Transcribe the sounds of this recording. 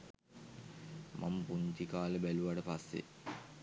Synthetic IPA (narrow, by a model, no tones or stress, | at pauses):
mʔa̰mpuɲt̪ikaːləbæluʋaʈəpasːḛ